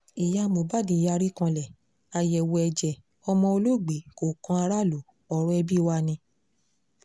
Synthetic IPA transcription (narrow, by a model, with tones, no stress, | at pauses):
i˨ja˧˦˧mo˨ba˦˨di˧˦˨ja˧ɾi˦kã˧lɛ˨ | a˧jɛ˨wo˧ɛ˧d͡ʒɛ˨ | ɔ˧mɔ̃˧o˧lo˦˨ɡ͡be˨˦ko˨kã˧˦a˧ɾa˦˨lo˨˦ | ɔ˨ɾ̃ɔ̃˦ɛ˧bi˦˧wa˧nĩ˧